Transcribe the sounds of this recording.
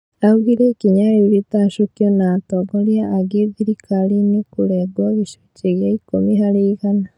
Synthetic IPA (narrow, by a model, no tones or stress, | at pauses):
auɣiɾekiɲaβiβitaʃokjonaːtoɡoljaːɡeðiɾikʰalinikuleɡwaβiʃo̥ceβjaikomiɦalikana